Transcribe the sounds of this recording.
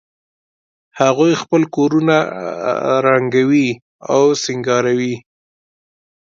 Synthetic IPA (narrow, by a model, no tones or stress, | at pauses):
haɣojxpəlkoɾuna | ɾaŋɡawi | awsɪŋɡɑɾawi